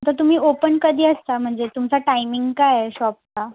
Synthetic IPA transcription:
t̪əɾt̪um̤iːʔopənkəd̪ʱiːəst̪am̤əɳd͡zet̪umt͡saʈajmiŋɡkajɕɔp̚ka

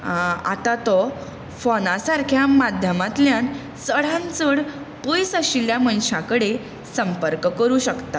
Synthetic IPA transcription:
a̰t̪at̪ɔ | fɔnasaɾkʰjamad̪ʱjəmat̪ljãn | səɽ̤ãnt͡səɽ | pəjsəɕiljamənɕãkəɽe | səmpəɾkkəɾuːɕəkt̪a

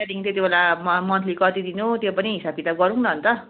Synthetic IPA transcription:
ad̪iŋt̪et̪ibelammʌnt̪ʰlikʌt̪id̪inut̪jopʌniɦisab̚kit̪ab̚ɡʌɾũŋnʌɦʌnt̪ʌ

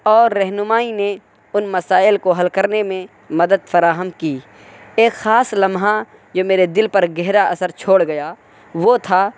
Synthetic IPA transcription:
ɔːɾːɛɦnʊmaːine | ʊnmɐsaːɪlkoɦɐlkəɾnemẽ | mɐd̪əd̪fɐɾaːɦəmkiː | eːkxaːslɐmɦa | d͡ʒoːmeːɾed̪ɪlpɐɾɡɛɦɾaɐsəɾt͡ʃʰoːɽɡɐjaː | ʋot̪ʰa

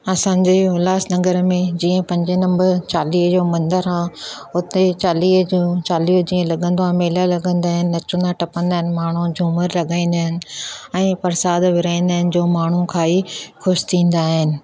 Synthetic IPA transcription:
ɐsãːd͡ʑeːʊlaːsnɐɡəɾmẽd͡ʑiːə̃pɐ̃ɲd͡ʑenɐ̃mbəɾt͡ɕaːliːɦd͡ʑoːmɐ̃nd̪əɾãʊt̪et͡ɕaːliːɦd͡ʑut͡ɕaːliːɦd͡ʑĩːə̃lɐɠə̃nd̪oɦãːmeːlalɐɠə̃nd̪aːɦɪnɪ̆ːɐt͡ɕʊ̃nd̪aʈɐpə̃nd̪aːɦɪnɪ̆maːɳ̤ud͡ʑʱuːməɾlɐɠaːĩːn̆d̪aɦɪnɪ̆ɛ̃ːpɐɾsaːd̪ʋɪɾãːĩːnd̪aːɦɪnɪ̆d͡ʑoːmaːɳ̤ukʰaːixʊʃt̪ʰĩːnd̪aːɦɪnɪ̆

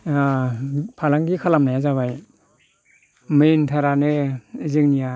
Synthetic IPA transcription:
apʰalaŋɡikʰalamnajazaβaj | mɯntʰaɾanɯzɯŋnija

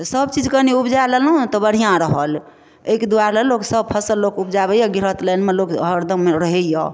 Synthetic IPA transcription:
səbt͡ʃid͡ʒkəniupd͡ʒalɛlũt̪ɔbəɽ̤ijãɾəɦəl | eked̪uaɾlɛloksəb̚pʰəsəlːokupd͡ʒabəjɔɡiɾət̪lənmelokɦəɾd̪əmːeɾəɦejɔ

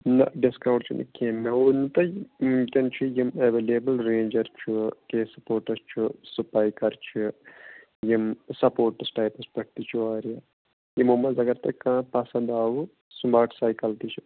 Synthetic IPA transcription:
nɐ̰ɖiskɐʋʈt͡ʃʰunʔɐ̰keːmːeunɨt̪ɐkʲɐnt͡ʃʰujimeʋeːleːbɐlɾẽːnd͡ʒɐɾt͡ʃʰukeːsɐ̥poːɾʈɐst͡ʃʰusupaːjkɐɾt͡ʃʰu | jimsɐpoːɾʈɐsʈaːpɐspɐʈ̚t̪it͡ʃʰuaːɾija | jimumɐzɐɡɐɾt̪ɐkãːpɐsɐ̃nd̪aːʋu | sumbaːʈsaːjkɐlt̪it͡ʃʰu

